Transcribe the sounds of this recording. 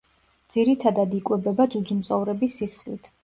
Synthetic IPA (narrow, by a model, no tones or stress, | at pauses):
d̪z̥iɾit̪ʰad̪ad̪ikʼwɛbɛbad̪zud̪d͡ʒumt̪sʼɔvɾɛbisːisχlḭt̪ʰ